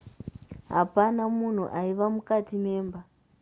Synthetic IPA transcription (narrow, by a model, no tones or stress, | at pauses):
ɦa̰panamun̤ṵʔaiʋamukatimeːmba